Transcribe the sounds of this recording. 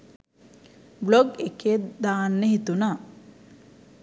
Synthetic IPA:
bloɡekeːd̪aːnːəhit̪una

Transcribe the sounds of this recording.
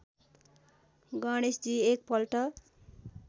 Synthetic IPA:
ɡʌɽ̃esd͡ziek̚pʌlʈʌ

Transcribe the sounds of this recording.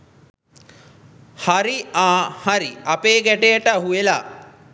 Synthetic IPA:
haɾiaːhaɾiapeːɡæʈejəʈəaɦuela

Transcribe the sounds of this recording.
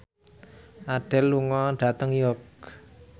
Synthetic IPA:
ʔaɖ̥ɛlːuŋɔɖ̥ä̤t̪əŋjɔk

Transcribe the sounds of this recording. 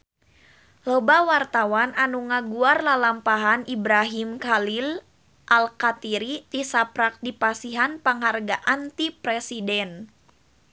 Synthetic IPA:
lɔbawart̪awananuŋaɡuarlalampaɦanibɾaɦimkalil | ʔalkat̪iɾit̪isapɾak̚dipasiɦanpaŋɦarɡaʔant̪ipɾɛsidɛn

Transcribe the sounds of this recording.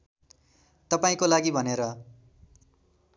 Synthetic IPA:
t̪ʌpaĩkolaɡibʱʌneɾʌ

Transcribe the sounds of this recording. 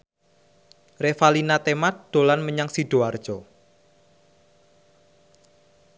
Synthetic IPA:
refalinat̪emat̪̚d̪̥o̤lanməɲaŋsiɖ̥oard̥ʒ̥ɔ

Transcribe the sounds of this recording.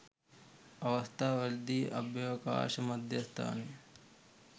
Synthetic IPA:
ɐʋɐst̪ʰaːʋɐɾd̪iːʔɐ̰bjɐːka̰ːʃɐmɐd̪ʱjɐst̪ʰa̰ːne

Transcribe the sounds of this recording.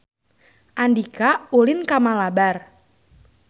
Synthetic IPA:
ʔandikaulɪnkamalabar

